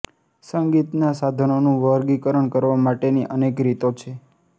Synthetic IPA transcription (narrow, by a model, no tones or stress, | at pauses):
səŋɡit̪nasad̪ʱənonũʋəɾɡikəɾəɳkəɾʋamaʈeniʔənekɾit̪ot͡ʃʰe